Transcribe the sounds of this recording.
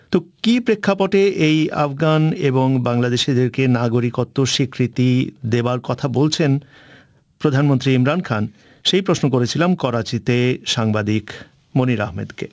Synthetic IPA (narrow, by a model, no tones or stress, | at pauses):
t̪okipɾekʰːapoʈeʔeja̰fɡaneboŋbaŋlad̪eʃid̪eɾkenaɡoɾikot̪ːoʃikɾit̪id̪ebaɾkɔt̪ʰabolt͡ɕʰen | pɾod̪ʱanmont̪ɾiimɾankʰan | ʃejpɾoʃnok̬oɾet͡ɕʰilamkɔɾat͡ɕit̪eʃaŋbad̪ik | moniɾa̰ɦmḛd̪kḛ